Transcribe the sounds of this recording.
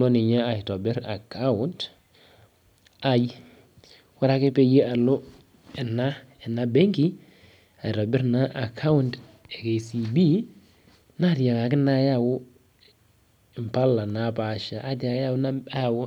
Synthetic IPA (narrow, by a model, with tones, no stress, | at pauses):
lɔ˦nɪ˨ɲa˦a˨tɔ˨bɪ˦ɾa˨ka˦wʊ˦nt | a˨j | wa˦ɾa˦ke˦pe˦je˦a˨lʊ˦ | ɛ˨na˦ | ɛ˨na˦bɛ˦ŋki˦ | a˨jtɔ˨bɪ˦ɾna˦ʔa˨kʰa˦wʊ˦nd | ɛ˨ke˨si˨bi˦ | na˦˨tja˨ka˨kɪ˦na˦ja˦˨wʊ˦˨ | mpa˦la˨na˨˦pa˨ʃa˨ʔa˦ta˨˦a˦na˦a˦˨w